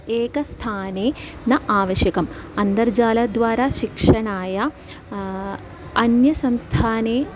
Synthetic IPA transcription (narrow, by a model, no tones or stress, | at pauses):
eːkɐst̪ʰaːneːnɐʔaːʋɐʃjɐkɐmɐnd̪ɐɾd͡ʑaːlɐd̪ʋaːɾaːʃikʂɐɳaːjɐ | ɐnjɐsɐmst̪ʰaːneː